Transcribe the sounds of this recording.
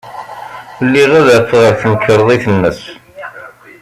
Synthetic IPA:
lːiʁæðæθʁəɾθənkːəɾˤðˤiθənːəs

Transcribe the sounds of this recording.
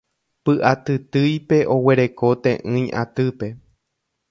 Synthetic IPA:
pɨʔat̪ɨt̪ɨjpe̞ʔo̞we̞ɾe̞ko̞t̪ḛ̃ʔɨ̃j̃ʔa̰t̪ɨpe̞

